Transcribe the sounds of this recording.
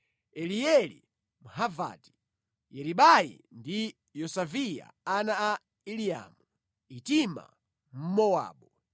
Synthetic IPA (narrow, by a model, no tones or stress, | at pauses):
ɛlijɛlḭ | muɦava̰ti̥ | jɛɾiɓajḭ | ndi | jɔsavija̰anaː | ilija̰mu | itima̰ | m̩mɔwa̰ːɓɔ